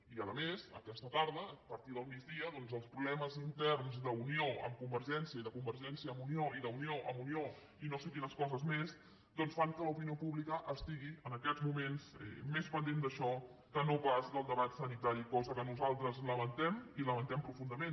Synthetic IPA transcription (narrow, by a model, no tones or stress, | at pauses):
iələmezə̰kɛst̪ət̪aɾðəpəɾt̪iðəlˠmid͡ʒðiəðɔnzəlˠspɾuβlɛməzint̪ɛrnzðəunioə̰mkumbəɾʒɛnsiəiðəkumbəɾʒɛnsiəːmunioiðəunioʔə̰munio | inosekinəskɔzəzmez | d̪ɔnsfaŋkələupiniopuβlikəʔəst̪iɣiənəkɛzmumenzɛ̰mespənd̪end̪əʃɔ | kənopazðəlˠd̪əβat̪sənit̪aɾikɔzəkənuzalˠt̪ɾəzləβənt̪ɛmiləβənt̪ɛmpɾufund̪əmen